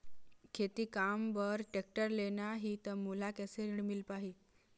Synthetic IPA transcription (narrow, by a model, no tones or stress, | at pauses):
kʰet̪iːkambəɾʈek̚ʈəɾlenaɦiːt̪əmulakɛseniɽmilpaɦi